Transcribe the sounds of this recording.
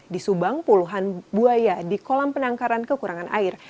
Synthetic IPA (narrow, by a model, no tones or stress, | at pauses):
disubaŋpuluɦanbuajadikolampənaŋkaɾankəkuɾaŋanʔa̰ɪr